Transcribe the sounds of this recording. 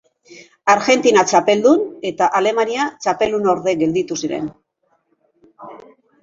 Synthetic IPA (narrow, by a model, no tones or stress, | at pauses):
aɾɣe̞nt̪inat͡ʃape̞ld̪une̞t̪aʔale̞maniat͡ʃape̞lunoɾðe̞ɣe̞ld̪it̪usiɾe̞̰n